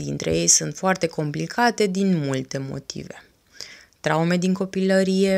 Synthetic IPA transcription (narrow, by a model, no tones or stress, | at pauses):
d̪int̪ɾe̞̰je̞jsunt̪foart̪e̞ko̞mplikʰat̪e̞d̪inmult̪e̞mo̞̰t̪ḭve̞ | t̪ɾaume̞d̪iŋko̞piləɾije̞